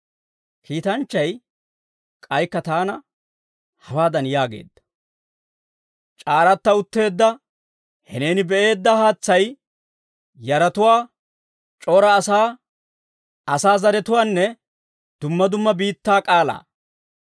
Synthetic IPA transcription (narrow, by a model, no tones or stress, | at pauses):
kʰiːt̪ɐnt͡ʃːɐj | kʼɐjkːɐt̪aːnɐ | hɐwaːd̪ɐnjaːɡe̞̰ːd̪ːɐ̥ | t͡ʃʼaːɾɐt̪ːɐʊt̪ːe̞ːd̪ːɐ | hɛne̞ːnɪbɛʔe̞ːd̪ːɐhaːt͡sːɐj | jɐɾɐt̪ʊwaː | t͡ʃʼoːɾɐːsaː | ɐsaːzɐɾɛt̪ʊwaːnːɛ | d̪̥ʊmːɐd̪ʊmːɐbiːt̪ːaːkʼaːla̰ː